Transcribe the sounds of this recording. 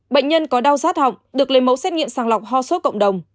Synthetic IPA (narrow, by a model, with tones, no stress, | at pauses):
ɓə̰˧˨j̟ɲə˧nkɔ˨˦ɗa˧wzaː˦˥t̚hɔ̰˧˨wŋ͡m̚ɗɨ˨˩ək̚le˨˦mə˨˦wsɛ˦˥t̚ŋḭ˧˨əmsaː˨˧˩ŋla˨˩wk͡p̚ɦɔ˧so˨˦˥kə̰˧˨wŋ͡mɗə˨˩wŋ͡m